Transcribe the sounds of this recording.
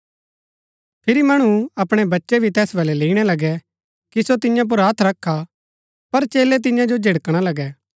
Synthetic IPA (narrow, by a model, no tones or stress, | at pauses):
pʰɪɾimɐɽ̃uɐpɽ̃ɛbɐtːʃɛbʱit̪ɛːsbɐːlɛleːiɽ̃ɛlɐɡɛ | kisot̪ɪjãp̬ʊɾɦɐt̪ʰɾɐkʰːa | pɐɾt͡ʃeːlɛt̪̬ɪ̃jãd͡ʒod͡ʒʱɪɽkɽ̃alɐɡɛː